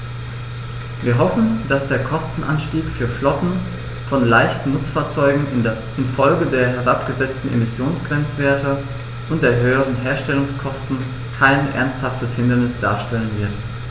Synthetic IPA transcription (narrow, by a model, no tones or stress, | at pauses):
viːɐɦɔfn̩d̥asd̥eːɐkʰɔstn̩ʔa̰nʃtiːkfyːɐflɔtn̩ | fɔnlaɪçtn̩nʊt͡sfaːɐt͡sɔʏɡŋ̩ | ɪnfɔlɡədeːɐɦɛʁapɡ̥əzɛt͡stn̩ʔḛmɪsjoːnsɡ̥ʁ̥ɛnt͡sv̥eːɐtə | ʔʊnt̚d̥eːɐɦøːəʁ̞ənɦeːɐʃtɛlʊŋskʰɔstn̩ | kʰaɪnʔɛ̰ɐnsthaftəshɪndɐnɪsd̥a̰ːɐʃtɛlənvɪɐt